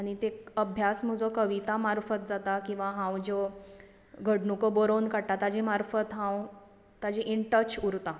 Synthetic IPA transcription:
aɽ̃it̪ekəbʱjasmud͡zɔkəʋit̪amaɾfət̪̚d͡zat̪akĩw̃ʋaɦãwd͡ʑo | ɡʱəɽnukobɔɾonkaɽʈat̪ad͡ʑemaɾfət̪ɦãw | t̪ad͡ʑeʔiɳʈət͡ɕuɾt̪a

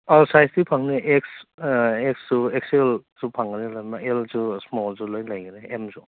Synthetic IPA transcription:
asajstipʰaŋneʔeks | eksuekselz̥upʰaŋɡɯnelajmaelzusmɔlzulojlajɡɯneemzu

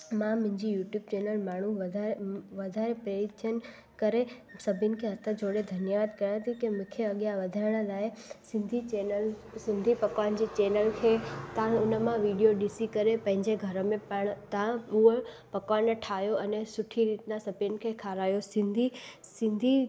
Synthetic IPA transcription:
mãmʊ̃ɦɪ̃ɲd͡ʑijuːʈjuːb̚t͡ɕeːnəlmaːɳ̤uʋd̪ʱaʋɐd̪ʱaːɾepɾeɾit͡ɕən | kɐɾesɐbʱinɪ̆kʰeɦɐt̪ʰəd͡ʑʱoːɽed̪ʱɐnjəʋaːd̪kɐɾãt̪ʰikemʊ̃kʰeɐɠjaʋɐd̪ʱaːɪɽ̃əlaːesɪ̃nd̪ʱit͡ɕeːnəl | sɪ̃nd̪ʱipɐkʋand͡ʑit͡ɕeːnəlkʰet̪ãʊnəmãʋiɖijoɗisikɐɾepɐ̃ɦɪ̃ɲd͡ʑeɡʱɐɾəmẽpəɳ̃t̪ãuə | pɐkʋaːnʈʰaːjoɐnesʊʈʰiɾit̪nãsɐbʱʊnɪ̆kʰekʰaːɾaːjosɪ̃nd̪ʱisɪ̃nd̪ʱi

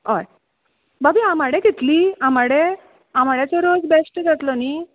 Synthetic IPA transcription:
ɦɔj | babiamaɽẽkit̪liamaɽe | amaɭjat͡sɔɾod͡zbesʈd͡zʱat̪lɔni

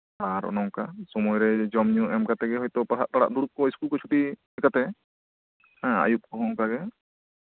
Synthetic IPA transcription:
aɾɔ̰nɔwkasɔmɔjɾɛd͡ʒɔmɲɔʔɛmkat̪ɛɡɛɦɔjt̪ɔpaɦa̰ʔt̪aɽa̰ʔd̪uɽup̚kɔjskulkɔt͡ʃʰu̥ʈimɛkat̪ɛ | hãa̰jup̚kɔɦɔŋkaɡɛ

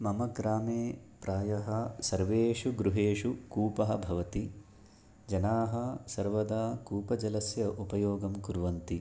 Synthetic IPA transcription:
mɐmɐkɾaːmeːpɾaːjɐɦɐsɐɾʋeːʂuɡɾuɦeːʂukuːpɐɦɐ̆bʱɐʋɐt̪i | d͡ʒɐnaːɦɐsɐɾʋɐd̪aːkuːpɐd͡ʒɐlɐsjɐʔupɐjoːɡɐmkuɾʋɐnt̪i

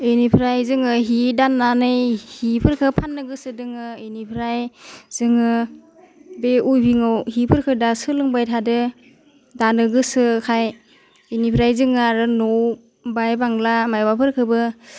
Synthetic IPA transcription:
ɯnipʰɾajzɯŋɯɦidanːanɯjhipʰɯɾkʰɯpʰanːɯɡɯsɯdɯŋɯɯnipʰɾajz̥ɯŋɯ | beujbʱiŋɯwɦipʰɯɾkʰɯdasɯlɯŋbajtʰadɯ | danɯɡɯsɯkʰaj | ɯnipʰɾajzɯŋɯaɾɯnɔw | bajbaŋlamajbapʰɯɾkʰɯbɯ

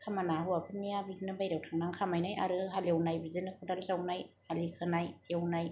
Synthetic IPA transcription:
kʰamanaɦɯwapʰɯnːijabiɡnɯbajɾawtʰaŋnaŋkʰamajnaja̰ɾɯɦaljawnajbizɯnɯkʰudalzawnaj | alikʰɯnajawnaj

